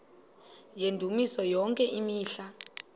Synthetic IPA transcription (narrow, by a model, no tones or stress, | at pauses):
jendʱumisɔjɔŋkʼɛʔimiːɬa